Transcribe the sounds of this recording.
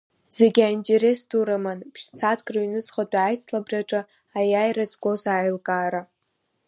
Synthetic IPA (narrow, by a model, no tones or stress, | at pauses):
z̥e̞ɡʲaintʲʼeɾe̞sduɾamanpʰʃt͡sʰatʰkʼraɥnɨzχadʷʼajt͡sʰlabraʈ͡ʂʼɨ | ajajrazɡʷo̞zaːjlkʼaːɾa